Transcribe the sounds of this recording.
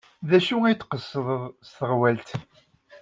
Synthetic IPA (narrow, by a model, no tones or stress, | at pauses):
ðæʃuæjt̪ːqəsːəðˤðˤst̪əʁwælt̪